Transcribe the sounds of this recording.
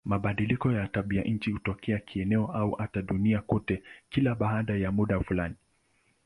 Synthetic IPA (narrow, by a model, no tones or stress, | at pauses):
maɓaɗilikɔjataɓiaʔɲ̩t͡ʃihutɔkʰɛakʰiɛnɛɔʔauʔataɗuniakɔtɛkilaɓaɦaɗajamuɗafulani